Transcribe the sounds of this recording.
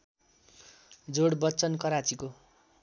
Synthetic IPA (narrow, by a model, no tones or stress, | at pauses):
d͡zoɽbʌtːt͡sʌnkʌɾat͡siko